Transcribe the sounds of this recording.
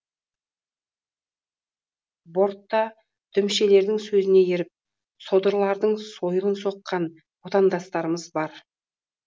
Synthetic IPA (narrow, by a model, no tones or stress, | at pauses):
bo̞ɾt̪ːɑ | d̪̥ʰʏmʃe̞le̞ɾd̪ɪŋsɵzɪne̞jeɾɪp̚ | so̞d̪əɾlˠɑɾd̪əɴso̞jəlˠənso̞qːɑn | wot̪ɑnd̪ɑst̪ɑɾəməzbɑɾ